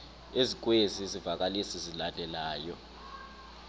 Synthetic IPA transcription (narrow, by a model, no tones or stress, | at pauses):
ezik̬ʼweziezivak̬ʼalisizilandʱɛlaːjɔ